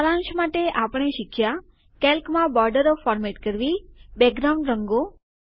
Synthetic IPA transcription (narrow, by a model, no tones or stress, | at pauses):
alãnʃmaʈeʔapəɳ̃eʃɪkʰja | kɛlkmãbɔɾɖəɾofɔɾmeʈkəɾʋibɛɡɾawũɳɖɾəŋɡo